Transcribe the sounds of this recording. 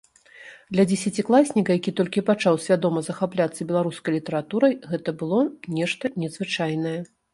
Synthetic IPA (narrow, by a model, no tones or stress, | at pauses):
d̪lʲɐd͡zʲɛsʲat͡sʲiklˠasʲnʲikɐjakʲit̪ɔlʲkʲipat͡ʂawsʲvʲad̪ɔmɐzɐxaplʲat̪sːɐbʲɛlˠaɾuskɐjlʲit̪ɐɾat̪uɾɐjɣɛt̪ɐbɨlˠɔnʲɛʂt̪ɐnʲɛzvɨt͡ʂajnɐjɛ